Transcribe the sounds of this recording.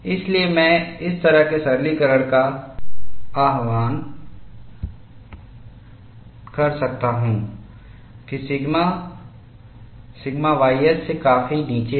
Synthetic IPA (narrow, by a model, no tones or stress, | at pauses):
ɪsliemɛ̃ːɪst̪ɐɾəɦkesɐɾlikɐɾəɽ̃ka | aːɦʋaːn | kɐɾsɐk̚t̪aɦũː | kisɪɡma | sɪɡmaʋaːjjəsːekaːfiniːt͡ʃe